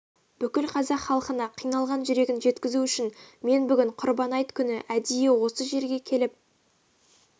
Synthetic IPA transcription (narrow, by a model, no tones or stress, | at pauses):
b̥ʏkʲɪlqʰɑzɑqχɑlˠqənɑqʰijnɑlˠʁɑnʒʏɾe̞ɡʲɪnʒe̞t̪kʲɪzuʏʃɪnme̞nbʏɡʲɪɴqʰʊɾbɑnɑjt̪kʲʰʏnɪʔæd̪ijewo̞səʒe̞ɾɡʲe̞kʲʰe̞lɪp̚